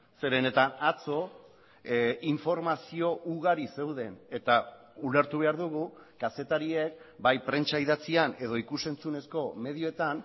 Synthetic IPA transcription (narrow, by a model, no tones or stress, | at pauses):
se̞ɾe̞ne̞t̪anat͡so̞ | iɱfo̞ɾmasio̞ʔuɣaɾise̞wðe̞ne̞t̪a | ule̞ɾt̪uβ̞e̞aɾðuɣ̞ukase̞t̪aɾie̞k̚bajpɾe̞nt͡ʃaiðat͡siane̞ð̞o̞ikuse̞nt͡sune̞sko̞me̞ðioe̞t̪an